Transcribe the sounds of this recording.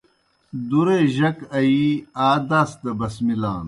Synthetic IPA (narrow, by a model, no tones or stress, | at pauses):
d̪uɾeːʑɐkɐiaːd̪aːsd̪ɐbɐsmila̰ːn